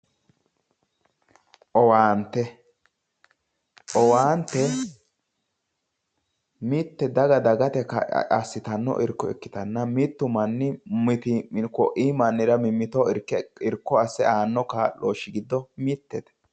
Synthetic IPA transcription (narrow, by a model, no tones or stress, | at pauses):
ʔɔwaːnt̪ːɛ | ʔɔwaːnt̪ːɛ | mit̪ːɛd̪ɐɡɐd̪ɐɡɐt̪ɛkɐ̰ɐ̰sːɪt̪ɐnːɔ̰ʔɪ̰ɾkːɔɛ̰kːɪ̥t̪ɐnːɐmɪt̪ːʊmɐnːɪmɪt̪ɪkɔʔiːmɐnːɪɾɐmɪmːɪt̪ɔɪɾkːɛɪɾkːɔɐsːɛʔaːnːɔkaːloːʃːɪɡɪd̪ːɔmit̪ːɛt̪ɛ̥